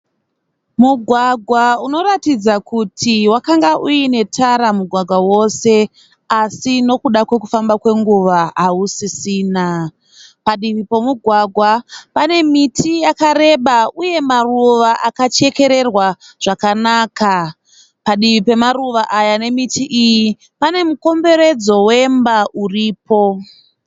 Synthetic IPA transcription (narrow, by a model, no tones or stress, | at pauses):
muɡʱwaɡʱwauno̞ɾatid͡zakutʰiwakaŋɡaʔuine̞tʰaɾamuɡʱwaɡʱwawo̞se̞ | asino̞kuɗakwe̞kufambakwe̞ŋɡuʋaɦausisiːna | paɗiʋipomuɡʱwaɡʱwapane̞mitʰijakaɾe̞ɓauje̞maruʋaʔakat͡ʃe̞ke̞ɾe̞rwaʐ̥akanaːka | paɗiʋipe̞maruʋaʔajane̞mitʰiʔiji | pane̞muko̞mbe̞ɾe̞d͡zo̞we̞mbauriːpo̞